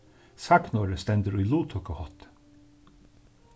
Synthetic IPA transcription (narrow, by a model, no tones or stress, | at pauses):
saknɔːɾəst̪ɛnt̪əɾʊjluːt̪ʰʊkəhɔt̪